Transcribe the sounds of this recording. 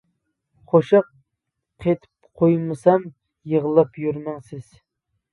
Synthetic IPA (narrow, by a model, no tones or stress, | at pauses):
qʰoʃɑqʰ | et̪ʰɪ̥pqʰojmɨsɑm | jəʁəlˠɨpjyɾmɪŋsɪz̥